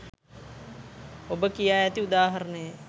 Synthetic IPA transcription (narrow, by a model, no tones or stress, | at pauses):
obəkijaːjɛt̪iud̪aːɦɐɾənəjə